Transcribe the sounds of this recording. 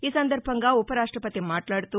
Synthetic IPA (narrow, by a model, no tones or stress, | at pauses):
iːsɐnd̪ɐɾbʱɐŋɡaːupɐɾaːʂʈɾɐpɐt̪imaːʈlaːɽt̪u